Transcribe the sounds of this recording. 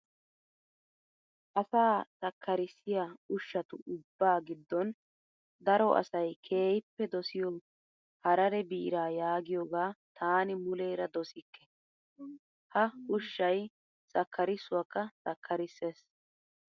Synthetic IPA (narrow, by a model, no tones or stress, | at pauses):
ʔɐsaːt͡sʼɐkʰːɐɾɪsːɪjaʊʃːɐt̪ʊʔʊbːaːɡɪd̪ːɔn | d̪ɐɾɔʔɐ̰sɐjkʰe̞ːjɪpːɛd̪ɔsɪjɔ | hɐɾɐɾɛbiːɾaːjaːɡɪjoːɡaːt̪ʰaːnɪmʊleːɾɐd̪ɔsɪkːɛ̥ | hɐʊʃːɐj | t͡sʼɐkːɐɾɪsːʊwɐkːɐt͡sʼɐkʰːɐɾɪsːeːs